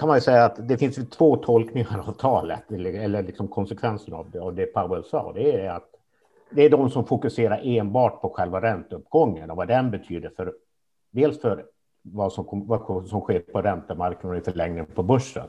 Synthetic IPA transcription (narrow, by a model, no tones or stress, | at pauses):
kʰanmanjɵsɛjːaːt̪d̪ɛfɪnsjɵt̪ʰv̥oːt̪ʰɔlknɪŋaɾavt̪ʰɑːlə̰t̪ɛɛlːəɭɪksɔmkʰɔnsɛkʰvɛnsəna̰vd̪avd̪ɛpʰaʊɛlsɑ̰ːd̪ɛæɖɛat̪ | d̪ɛæɖɔmsɔmfʊkɵseːɾaɾʔeːnbɑːʈ̚pʰɔɧɛlvaɾɛnt̪əɵpːɡɔŋːənɔvad̪ɛnbɛt̪ʰyːd̪əɾfœɾ | d̪eːlsfœɾ | vɑsɔmkʰɔvasɔmɧeːɾpʰɔɾɛnt̪əmaɾknad̪ɪfœɭɛŋnɪŋpʰɔbɵʂːə̰n